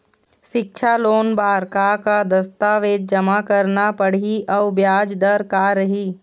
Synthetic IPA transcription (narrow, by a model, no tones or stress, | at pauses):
ʃɪk̚t͡ʃʰaloːnbaːɾkakad̪ɐst̪aːʋeːd̪̚d͡ʒɐmakɐɾnapəɽ̤iʔɔbjaːd͡ʒd̪əɾkaːɾɐɦiː